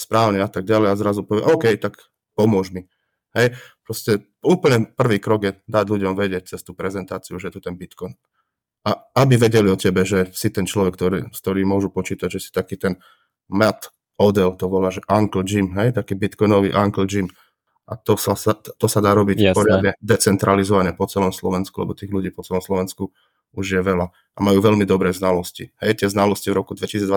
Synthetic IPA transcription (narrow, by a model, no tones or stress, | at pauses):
spɾaːʊniat̪aɡ̚ɟalɛjazɾazupɔʋɪɛ̰ʔɔʊkɛjt̪ak | pɔmʊɔʒmi | ɦɛjpɾɔscɛ | uːpl̩ɲɛpr̩ʋiːkɾɔɡjɛd̪aɟʎuɟɔmʋɛɟɪɛc̚t͡sɛst̪uːpɾɛzɛnt̪aːt͡siuʒɛt̪ut̪ɛnbit̪kɔjn | aabiʋɛɟɛliɔcɛbɛʒɛsit̪ɛnt͡ʃlɔʋɛk̚ːt̪ɔɾḭːskt̪ɔɾiːmʊɔʒupɔt͡ʃiːt̪aɟʒɛsi̥t̪akiːt̪ɛn | mat̪ | ɔd̪ɛlt̪ɔʋɔlaːʒɛʔaŋkl̩d͡ʒimɦɛjt̪akiːbit̪kɔjnɔʋḭːʔaŋkl̩d͡ʒim | ʔat̪ɔsasat̪ɔsad̪aːɾɔbicpɔɾɪad̪ɲɛd̪ɛt͡sɛnt̪ɾalizɔʋaɲɛpɔt͡sɛlɔmslɔʋɛnskulɛ̰bɔt̪iːɣluɟiːpɔt͡sɛlɔmslɔʋɛnsku | uʒjɛʋɛla | ʔamajuːʋɛlmid̪ɔbɾɛːznalɔscḭhɛjt̪ɪɛznalɔscivɾɔkud̪ʋɛcisid͡zd̪ʋa